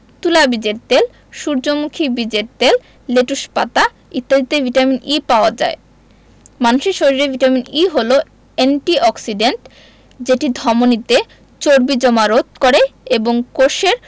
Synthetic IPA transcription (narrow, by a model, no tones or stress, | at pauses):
t̪ulabid͡ʑeɾt̪el | ʃuɾd͡ʑomukʰibid͡ʑeɾt̪el | leʈuʃpat̪a | it̪ːad̪it̪evʱiʈaminipaoad͡ʑa̰e | manuʃiʃoɾiɾevʱiʈaminiɦolo | enʈiɔksiɖenʈ | d͡ʑeʈid̪ʱɔmonit̪e | t͡ɕoɾbid͡ʑɔmaɾot̪̚koɾeeboŋkoʃeɾ